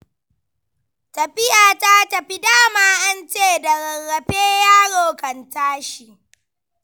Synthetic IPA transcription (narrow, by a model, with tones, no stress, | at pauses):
tɐ˨ɸɪ˦jaː˨ta˦tɐ˨ɸi˦daː˦maː˦ʔa˦nt͡ʃeː˦˨dɐ˨ɾɐ˨rːɐ˨ɸeː˦jaː˦ɽoː˨kɐ˨ntaː˦ʃi˨ʔ